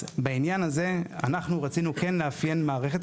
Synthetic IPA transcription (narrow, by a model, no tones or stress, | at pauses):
bainjanaze̞a̰naχnuʁat͡sinuke̞nleafje̞nmaːʁe̞χe̞t